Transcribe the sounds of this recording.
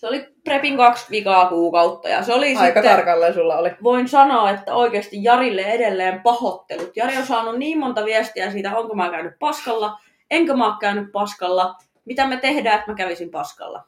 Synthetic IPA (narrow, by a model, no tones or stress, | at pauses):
seoliprepiŋkɑksʋikɑːkuːkɑut̪ːɑ̰jɑ̰seolisɑiitkɑt̪ːɑrkɑlːensulːɑoliʋoinsɑnoːet̪ːæoikeːst̪ijjɑrilːeedelːeːmpɑhot̪ːelut̪jɑriosɑːnunniːmmont̪ɑʋiæst̪iæsiːt̪æoŋkomɑːkæynyppɑskɑlːɑ | eŋkømɑːkkæynyppɑskɑlːɑ | mit̪æmet̪ehdæːet̪mækæʋisimpɑskɑ̰lːɑ̰